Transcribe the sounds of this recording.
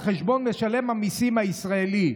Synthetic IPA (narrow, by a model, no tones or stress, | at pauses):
χeʃbo̞nleʃale̞mhamisimhaisʁaeli